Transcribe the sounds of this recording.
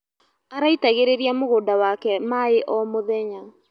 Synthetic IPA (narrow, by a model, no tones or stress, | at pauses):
aɾaitaɣeɾeɾiamoɣoːdawakɛmaeʔɔmoðɛɲa